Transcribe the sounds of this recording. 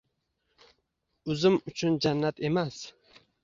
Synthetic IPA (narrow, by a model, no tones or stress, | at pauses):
ʊzɪmʊt͡ʃʰʊnd͡ʒanːat̪e̞mas